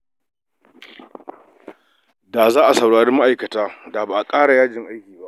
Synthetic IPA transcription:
da˨zaː˦ʔa˨sɐ˨wɽaː˨ɽe˦ma˦ʔa˨jkɐ˨taː˦da˨ba˨ʔa˨kʼaː˦ɽa˨jaː˦d͡ʒɪ˨ŋʔa˦jkʲiː˨ba˦ʔ

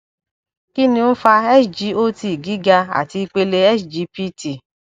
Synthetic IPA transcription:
ki˦nĩ˧˦n̩˦fa˧ɛ˦sd͡ʒi˦o˦ti˧˨ɡi˨˦ɡa˧a̰˨ti˧i˧k͡pe˧le˧ɛ˦sd͡ʒi˧˦pi˦ti˨

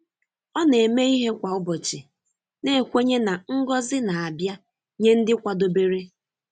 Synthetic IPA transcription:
ɔ˦ne˨me˦i˦ɦe˦kʷa˨ʊ˦bɔ˨t͡ʃɪ˨ | ne˦˨kʷe˦ɲe˦na˨ŋ̩˦ɡɔ˦zɪ˦na˨a˨bja˦ | ɲe˦n̩˦dɪ˦kʷa˨do˨be˦ɾe˦

